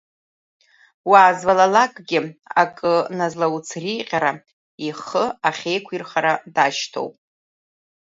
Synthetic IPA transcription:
waːzvalalakʼɡʲɪa̰kʼɨnazlawut͡sʰriːqʲʼaɾa | iχəaχʲe̞jkʷʰirχaɾadaʃtʰo̰wpʼ

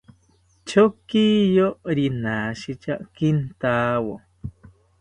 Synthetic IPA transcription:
t͡ʃokijoɾinaːʃit͡ʃakint̪aːwo̰

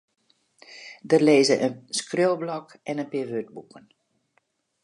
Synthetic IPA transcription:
dərleːzəʔənskrøːlˠblɔk | ɛnənpɪːʋød̚bukʰən

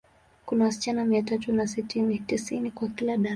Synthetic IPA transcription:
kunawasi̥t͡ʃanamiatatunasitinitisinikwakilaɗa

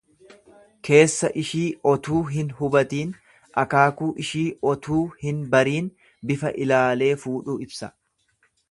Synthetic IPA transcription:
kʰe̞ːsːɐʔɪʃiːɔt̪uːɦɪnhʊbɐt̪iːn | ʔɐkaːkuːʔɪʃiːʔɔt̪ʰuːhɪnbɐɾiːn | bɪfɐʔɪlaːle̞ːfuːᶑuːɪbsɐ

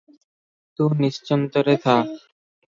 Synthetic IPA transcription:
t̪uniʃt͡ɕɔnt̪oɾet̪ʰak

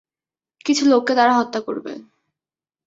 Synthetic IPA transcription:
kit͡ɕʰulokːed̪aɾaɦɔt̪ːako̰ɾbḛ

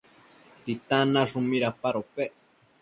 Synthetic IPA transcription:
t̪it̪anaʐumiɾapaɾopeʔ

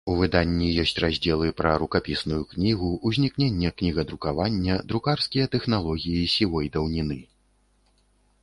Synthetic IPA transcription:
uvɨd̪anʲːijɔsʲt͡sʲrazʲd͡zʲɛlˠɨpɾɐɾukapʲisnujuknʲiɣuʔuzʲnʲiknʲenʲːɐknʲiɣɐd̪ɾukavanʲːɐd̪ɾukarskʲijɐt̪ɛxnalˠɔɣʲijisʲilˠɔjd̪ɐwnʲinɨ

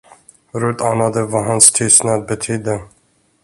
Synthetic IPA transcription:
ɾʉt̪aːnad̪əvaɦanst̪ʰʏst̪nad̪̚bɛt̪ʰyːd̪ə

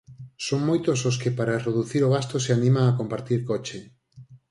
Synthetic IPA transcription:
soŋmojt̪ososkɪpaɾareðuθiɾoɣ̞ast̪oseanĩmaŋakompaɾt̪iɾkɔt͡ʃe

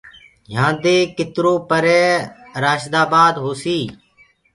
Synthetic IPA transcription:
jãːnd̪eːkɪt̪ɾoːpəɾɛːɾaːʃd̪aːbaːd̪ɦoːsiː

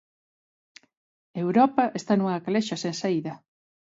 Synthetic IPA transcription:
ewɾɔpɐʔest̪anuŋakaleʃɐsensaiðɐ

